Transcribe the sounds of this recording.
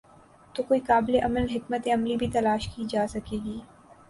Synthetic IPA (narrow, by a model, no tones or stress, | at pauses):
t̪oːkoːikaːbleʔɐməlɦɪkmət̪ẽɐmlibʱit̪ɐlaːʃkiːd͡ʒaːsɐkeːɡiː